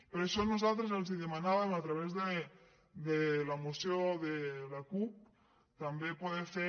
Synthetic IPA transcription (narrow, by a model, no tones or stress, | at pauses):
peɾeʃonuzalt̪ɾezelziðemanaβamat̪ɾaβezðe | d̪elamuseoðelakup̚ | t̪ambepoðefe